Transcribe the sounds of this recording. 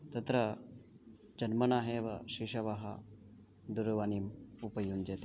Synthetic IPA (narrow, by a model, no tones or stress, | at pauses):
t̪ɐt̪ɾə | d͡ʑənmənaɦeʋaɕiɕɐʋaɦa | d̪uɾʋaniːmupəjuːnd͡ʑet̪a